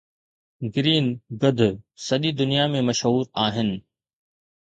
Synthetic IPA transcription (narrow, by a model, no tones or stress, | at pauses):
ɡɪɾiːnɡɐd̪ʱʊsɐɗid̪ʊnijamẽmɐʃɦuːɾaːɦɪnɪ̆